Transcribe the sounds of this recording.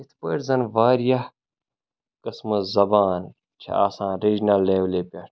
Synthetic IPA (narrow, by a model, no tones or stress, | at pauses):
it̪ʰpḛːʈzɐnʋaːɾjɐ | kɐsmɐzɐbaːn | t͡ʃʰɐ̰a̰ːsãːɾiːd͡ʒnɐlːeːʋlepʲɐʈ